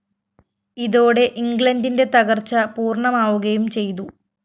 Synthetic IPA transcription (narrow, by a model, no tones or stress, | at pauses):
iðo̞ːɽe̞ʔiŋɡɭɐndinde̞t̪ɐɣɐrt͡ɕːɐpuːrɳɐmaːʋuɣɐjumt͡ɕe̞jt̪u